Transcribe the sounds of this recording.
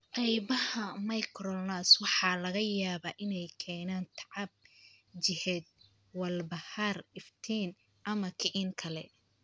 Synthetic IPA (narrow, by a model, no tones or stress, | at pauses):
qɑjβɐhɐmɐjkʰɾɔnaswɑħɑlɐɣɐjaːβaːʔɪnɛjkʰɛːnaːnt̪ʰɑʕɑb̚ | t͡ʃɪhɛd̪̚ | wɐlbɐharɪft̪ʰiːn | ʔɐmɐkʰɪʕɪnkʰɐlɛ̰